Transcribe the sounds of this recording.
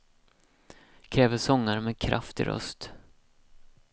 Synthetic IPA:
kʰɾɛːvəsɔŋːaɾmɛːkʰɾʔa̰ft̪ɪ̰ɾœ̰st̪

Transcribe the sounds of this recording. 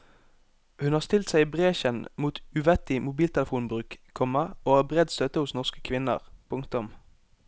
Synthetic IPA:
hʉnhɑːst̪ɪlt̪sæɪiːbʁeːçənmuːt̪ʉʋɛt̪ɪmʊbiːlt̪ʰɛləfuːnbʁʉːkkʰɔmɑoːæːbʁɛd̪st̪œt̪əhʊsnɔskə̥kʰʋɪnə̰ʁpʰʊŋkt̪ʊm

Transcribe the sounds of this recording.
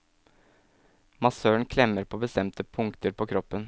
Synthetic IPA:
mɑsøːɳkʰlɛmːəɾpʰoːbəst̪ɛmt̪əpʰʊŋkt̪əɾpʰoːkʰɾɔpːən

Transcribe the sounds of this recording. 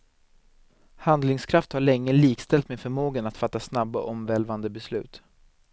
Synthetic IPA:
hand̪lɪŋskʰɾaft̪haɭɛŋːəliːkst̪ɛlt̪mɛnfœɾmoːɡənat̪fat̪ːasnabːɔ̰ʔɔmvɛlvand̪əbɛslʉ̟ːt̪

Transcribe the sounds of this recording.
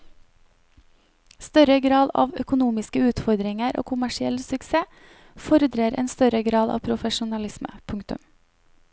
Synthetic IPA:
st̪œɾəɡɾɑːd̪ɑ̰ːʋœkʊnuːmɪskəʉːt̪fɔɾd̪ɾɪŋəɾʔo̰ːkʰʊmæʃɪɛlsʉkseː | fɔɾəd̪ɾeːɾʔḛːnst̪œɾəɡɾɑːd̪ɑ̰ːʋpʰɾʊfəʃʊnɑlɪsmə̰pʰʊŋkt̪ʉ̰m

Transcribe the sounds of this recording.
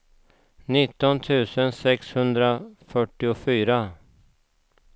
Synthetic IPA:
nɪt̪ːɔnt̪ʰʉ̟ːsənsɛkshɵnd̪ɾafœʈːɪʊfyːɾa

